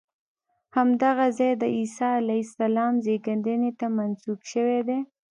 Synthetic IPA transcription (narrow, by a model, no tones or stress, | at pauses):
hamd̪aɣazɑjd̪əisɑalajsalɑmzeɡand̪ənet̪amansuɡʃəwed̪e